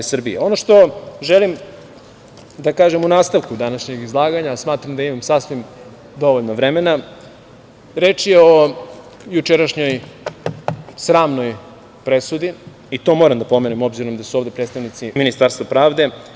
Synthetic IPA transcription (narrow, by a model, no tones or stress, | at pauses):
sr̩bieo̞no̞ʃt̪o̞ʒelim | d̪akaːʒemunaːst̪aʋkud̪anaʃɲe̞ɡizlˠaːɡaɲasmaːt̪ɾamd̪aimamsasʋim | d̪o̞ʋoʎnoʋɾemena | ɾe̞ːt͡ʃjeo̞ | jut͡ʃeɾaʃɲo̞j | sɾaːmno̞j | pɾesud̪i | it̪o̞moɾamd̪apo̞menimo̞bziɾo̞md̪asuoʋvd̪e̞pɾet̪st̪aʋnit̪siminist̪aɾst̪vapɾaːʋd̪e̞